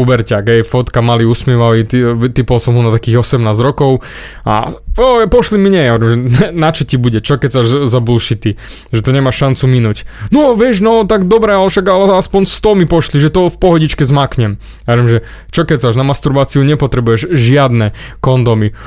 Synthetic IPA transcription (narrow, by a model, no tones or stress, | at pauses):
ubɛɾcaɡɦɛjfɔt̪kamaliusmɪɛʋaʋit̪ipɔlsɔmɦɔnat̪akiːɣɔsɛmnaːzɾɔkɔʊ | a̰ɔɛpɔʃlimiɲɛjauɾɛmʒɛnat͡ʃɔcibuɟɛt͡ʃɔkɛsaʒzabulʃit̪i | ʒɛt̪ɔɲɛmaʃːant͡suminucnɔʋɪɛʒnɔt̪aɡd̪ɔbɾɛalɛʃaɡalɛaspɔɲst̪ɔmipɔʃliʒɛt̪ɔfpɔɦɔɟit͡ʃkɛzmakɲɛm | jaɾɛmʒɛ | t͡ʃɔkɛsaːʒnamast̪uɾbaːt͡siuɲɛpɔt̪ɾɛbujɛʒʒɪad̪nɛ | kɔnd̪ɔmi